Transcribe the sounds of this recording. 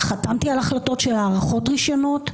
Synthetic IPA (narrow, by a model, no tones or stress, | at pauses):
χatamt̪ialaχlato̞tʃelaːʁaχo̞tʁiʃo̞no̞t